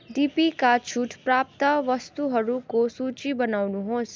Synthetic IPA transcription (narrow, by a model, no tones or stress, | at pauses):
ɖipikat͡ʃʰuʈʰpɾap̚t̪ʌʋʌst̪uɦʌɾukosut͡ʃibʌnawnuɦos